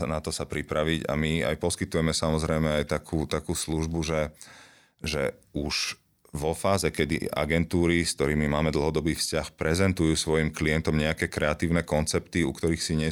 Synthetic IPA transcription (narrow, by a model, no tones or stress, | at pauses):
nat̪ɔsapɾipɾaʋiɟa̰mia̰jpɔskit̪ujɛmɛsamɔzɾɛjmɛajt̪akʰuːt̪akuːsluʒbuʒɛ | ʒɛ | uʒ̥ | ʋɔfaːzɛkɛd̪ḭa̰ɡɛnt̪uːɾisk̚t̪ɔɾiːmimaːmɛd̪l̩ɦɔd̪ɔbiːfscaxpɾɛzɛnt̪ujuːsʋɔjimkliɛnt̪ɔmɲɛakɛːkɾɛat̪iːʊnɛkɔnt͡sɛpt̪iṵkt̪ɔɾiːxsiɲɛ